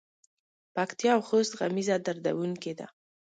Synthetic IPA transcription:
pakt̪jɑːwxost̪ɣamizad̪aɾd̪a̰wuŋked̪a̰

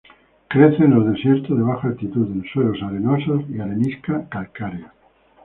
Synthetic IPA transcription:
kɾeθenolðesjeɾt̪oðeβ̞axaakt̪it̪uðenswelosaɾenososiaɾeniskakalkaɾja

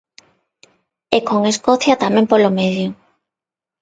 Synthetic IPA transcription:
ekoŋeskoθjat̪amẽmpolomeðjo

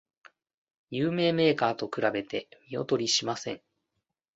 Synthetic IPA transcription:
jɯːme̞ːme̞ːkaːt̪o̞kɯ̟ɾabe̞t̪e̞mʲio̞̰t̪o̞ɾʲiɕimasẽ̞ɴ

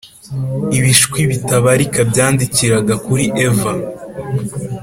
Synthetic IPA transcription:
iβiʃkwiβitaβaɾikabɟaːndiciɾaɡakuɾiʔeva

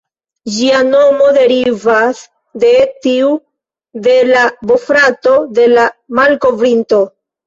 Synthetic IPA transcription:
d͡ʒiano̞mo̞de̞ɾivas | de̞tiu | de̞labo̞fɾato̞de̞lamalko̞vɾinto̞

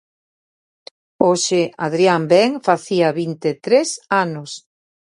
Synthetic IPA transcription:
oʃeaðɾiambɛŋfaθiaβint̪et̪ɾesanʊs

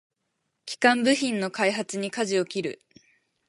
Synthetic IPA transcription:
kʲi̥kãmbɯ̟çĩnːo̞kaiɦat͡sɨɲ̟ikaʑio̞kʲiɾɯ̟̰

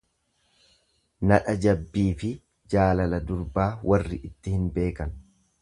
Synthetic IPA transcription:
nɐᶑɐd͡ʒɐbːiːfɪ | d͡ʒaːlɐlɐd̪ʊɾbaːwʔɐrːɪʔɪt̪ːɪhɪnbe̞ːkɐn

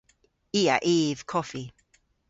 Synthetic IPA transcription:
iːa̰ʔiːv̥kʰɔfi

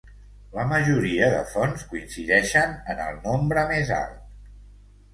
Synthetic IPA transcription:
ləməʒuɾiəðə̰fonskuinsiðɛʃənənə̰lˠnombɾəmeza̰lˠt̪̚

